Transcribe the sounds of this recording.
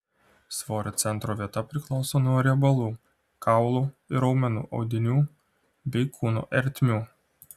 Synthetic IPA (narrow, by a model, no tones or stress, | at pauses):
sʋoːɾʲoːt̪sʲɛnt̪ɾoːʋʲiɛt̪ɐpʲɾʲɪklˠɔʊsoːnuɔɾʲɛbɐlˠuː | kɑˑʊlˠuːɪɾɒʊmʲɛnṵːʔɒ̰ʊd̪ʲɪnʲuː | bʲɛɪkʰuːnṵːʔɛɾʲt̪ʲmʲuː